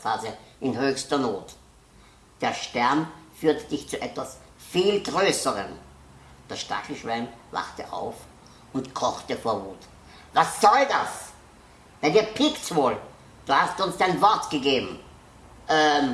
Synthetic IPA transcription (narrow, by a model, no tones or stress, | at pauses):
faːzəʔɪnhøːçstɐnoːt | d̥eːɐʃtɛɐnfyːɐtd̥ɪçt͡suʔɛtv̥as | fiːlɡʁøːsəʁə̰n | d̥asʃta̰kl̩ʃvæɪnva̰χtə̰ʔa̰ʊf | ʊntkʰɔχtəfoːɐvuːt | vasːɔldas | vɛldiːɐpʰɪktvoːl | d̥uːhastuʊnsd̥aɪnvɔɐtɡ̥əɡeːbm̩ | ʔɛ